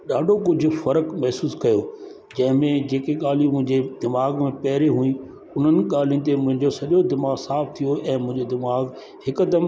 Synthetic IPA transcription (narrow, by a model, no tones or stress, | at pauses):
ɗaːɖʱok̬ʊd͡ʑʱʊ̆fɐɾəkmɐɦsuːskɐjo | d͡ʑɐ̃ɦɪ̃mẽd͡ʑeːkeɠaːl̤ĩmʊ̃ɦɪ̃ɲd͡ʑed̪ɪmaːɡmẽpɐɦɾeɦuĩ | ʊn̤ənɪ̆ɠaːl̤ĩt̪̬emʊ̃ɦɪ̃ɲd͡ʑosɐɗjod̪ɪmaːɣsaːfʰt̪ʰijoʔɛ̃ːmʊ̃ɦɪ̃ɲd͡ʑod̪ɪmaːɡ | hɪkɐd̪əm